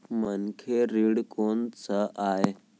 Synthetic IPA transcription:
mənkʰeɾiɽkont͡səʔaje

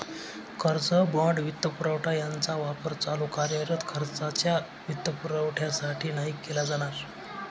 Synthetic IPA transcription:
kʰəɾt͡səbəɳɖʋit̪ːəpuɾəwʈʰajant͡saʋapəɾt͡salukaɾjəɾət̪kʰəɾt͡sat͡ɕja | ʋit̪ːəpuɾəʋʈʰjasaʈʰiːnaɦikːelad͡zaɽ̃aɾ

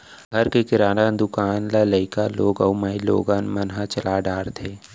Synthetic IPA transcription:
ɡʱɐɾkekɪɾaːnaːnd̪ʊkaːnlaləɪkaloːɡəuməɦilo̰ːɡaːnmənɦat͡ʃəlaːɖaːɽd̪ʰʱeː

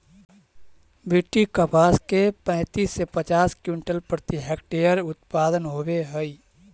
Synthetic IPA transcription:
bɪʈːikəpʰaːskepɛ̃ɪt̪iːsːepət͡ʃaːskjuɳʈəlpɾət̪iɦek̚ʈejəɾʊt̪̚paːd̪ənɦoːbeɦəi

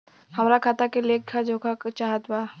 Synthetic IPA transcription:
hɐmɾakʰaːt̪akelekkʰad͡ʒʱoːkʰakt͡ʃaːɦət̪baː

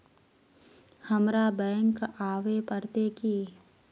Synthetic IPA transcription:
həmɾabɛ̃ːŋkaːʋepəɾt̪ekiː

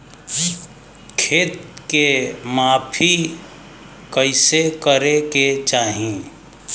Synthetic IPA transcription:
kʰeːt̪̚kemaːpʰi | kəɪsekəɾeket͡ʃaːɦĩ

